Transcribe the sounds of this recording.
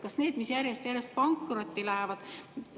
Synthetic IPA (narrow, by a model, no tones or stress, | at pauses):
kɑsne̞ːd̪̥misjærjest̪jæɾjest̪̚pɑŋkːrot̪ʲːilæhevɑd̪̥